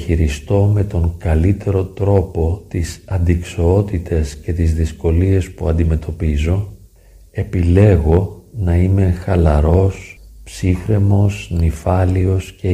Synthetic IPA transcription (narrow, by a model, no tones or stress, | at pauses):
çiɾist̪o̞me̞t̪o̞ŋkɐlit̪e̞ɾo̞t̪ɾo̞po̞t̪isɐnd̪iksoot̪it̪ʰe̞sce̞t̪izðisko̞lie̞spuɐnd̪ime̞t̪ʰo̞pizo̞ | e̞pile̞ɣo̞nɐime̞xɐlɐɾo̞spsixɾe̞mo̞snifɐlio̞sce